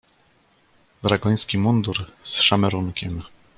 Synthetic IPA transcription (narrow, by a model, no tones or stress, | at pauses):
d̪ɾaɡɔj̃skʲimund̪uɾsʂamɛɾuŋkʲɛm